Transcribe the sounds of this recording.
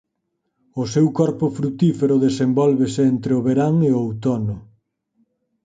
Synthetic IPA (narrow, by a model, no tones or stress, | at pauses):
ʊsewkɔɾpʊfɾut̪ifeɾʊðesembɔlβeseent̪ɾeʊβeɾaŋeoowt̪ɔnʊ